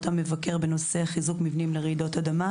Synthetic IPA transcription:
t̪ame̞vake̞ʁbe̞no̞se̞χizukmivnimleʁeidotadama

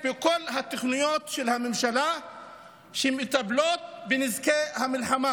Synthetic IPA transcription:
bekolɦat̪aχnujot̪ʃelhamemʃala | ʃemit̪ablot̪̚benizkehamilħama

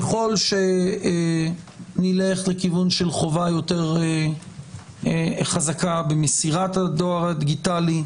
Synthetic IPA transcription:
eχo̞lʃe̞ | nileχlekivunʃelχo̞vajo̞te̞ʁ | χazakabemesiʁatad̪oaʁad̪iɡitali

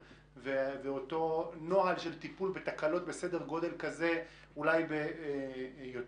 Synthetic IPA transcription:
veveoto̞no̞alʃe̞lt̪ipulbet̪akalo̞t̪̚be̞se̞deʁɡo̞d̪e̞lkaze̞ | ulajbe | jot

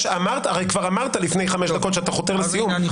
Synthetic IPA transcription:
ʃamaʁt̪aaʁejkvaʁamaʁt̪alifne̞jχame̞ʃd̪ako̞tʃeat̪aχo̞t̪e̞ʁlesijum

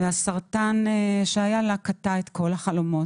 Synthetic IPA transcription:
veasaʁt̪aneʃeajalakat̪aet̪kʰo̞laχalo̞mo̞t

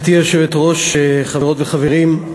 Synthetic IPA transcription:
t̪ieʃevetʁo̞ʃeχaveʁo̞tveχaveʁim

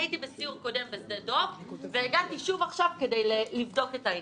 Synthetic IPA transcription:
itibesiuʁko̞de̞mbezdedo̞pveːɡatiʃuvaχʃavke̞dejlelivdo̞ke̞tai

